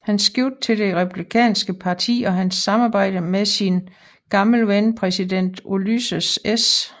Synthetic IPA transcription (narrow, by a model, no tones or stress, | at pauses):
hænsɡ̥iʊ̰d̥̚t͡sʰe̝ld̥e̝ʁɛpʰub̥likʰɛ̰ːnsɡ̥əpʰɑ̈t͡sʰḭːɒ̽ɦænsːɑ̈mɑ̈ːb̥ɑ̈ɪ̰d̥əmeðˠsin | ɡ̥ɑ̈ml̩ʋenpʰʁɛsid̥en̰d̥olysəses